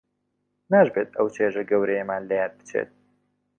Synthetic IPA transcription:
naːʒbeːt̪ʰɐwt͡ʃʰeːʒɐɡɐwɾɐjemaːnlɐjaːt̪̚bɨ̥t͡ʃʰḛt̪̚

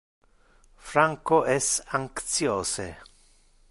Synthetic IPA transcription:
fɾaŋkoʔɛsaŋkt̪sjoːsḛ

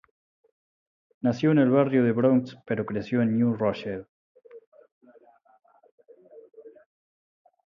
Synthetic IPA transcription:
nasjoene̞lβarjoðeβɾoŋspeɾokɾesjoenːjuroʃel

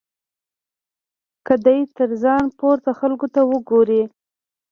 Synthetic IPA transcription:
kəd̪ajt̪əɾzɑnpoɾt̪axalkot̪awəɡoɾe

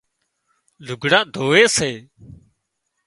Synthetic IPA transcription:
lʱʊɡʱɽãːd̪ʱoːʋeːseː

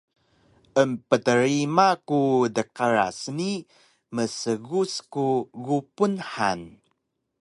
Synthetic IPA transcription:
ʔəmpətəɾimakudəqəɾa̰sni | məsəɣuskuɣupunħa̰n

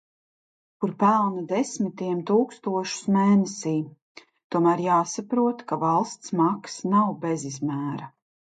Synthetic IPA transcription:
puɾpælˠnad̪ɛsmit̪iɛmt̪uːkst̪uɔʃu̥smeːnesʲiː | t̪uɔmæːɾjaːsapɾuɔt̪kavɑlˠst̪smaksnawbezizmæːɾa

